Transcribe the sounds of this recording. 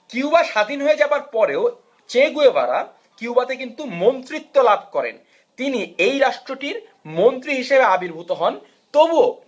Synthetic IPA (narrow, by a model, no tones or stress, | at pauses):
kiwbaʃad̪ʱinɦoed͡ʑabaɾpɔɾeo | t͡ɕeɡueba̰ɾa̰ | kiwbat̪ek̬int̪umont̪ɾit̪ːolabʱkɔɾḛn | t̪iniejɾaʃʈɾoʈiɾ | mont̪ɾiɦiʃebeabiɾbʱut̪oɦɔn | t̪obuo